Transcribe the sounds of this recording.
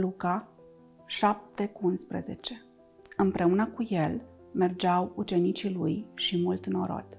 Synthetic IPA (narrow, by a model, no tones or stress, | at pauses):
luka | ʃap̚t̪e̞kuunspɾḛze̞̰t͡ʃe̞ | ɨmpɾe̞unəkuje̞l | me̞rd͡ʒawut͡ʃe̞nit͡ʃilujʃimult̪no̞ɾo̞̰d̪